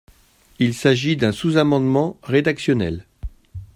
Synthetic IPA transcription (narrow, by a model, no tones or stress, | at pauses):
ilsaʒid̪ɛ̃suzamɑ̃d̪mɑ̃ʁed̪aksjɔnɛ̰l